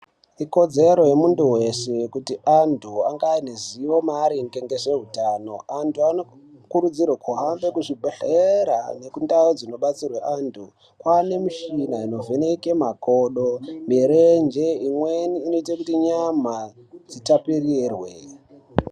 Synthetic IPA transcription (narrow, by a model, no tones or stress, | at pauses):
iko̞d͡ze̞ɾo̞jemunduwe̞sejkutiantʰuaŋɡaineziwo̞maɾiŋɡeŋɡe̞ʐe̞ɦutaːno̞antuano | kuɾud͡zirwakuɦambe̞kuʐibʱeɬeɾa̰ne̞kundaod͡zino̞ɓat͡sirweʔantʰu | kwane̞miʃinaino̞ve̞nekemako̞ɗomiɾend͡ʒeimweniːno̞itakutiɲama | d͡zitapirirwe